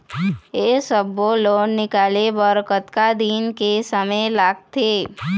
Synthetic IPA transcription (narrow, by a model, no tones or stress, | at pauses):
eːsəboloːnːɪkaːlebəɾkət̪kad̪iːnkesəməlaːɡ̚t̪eː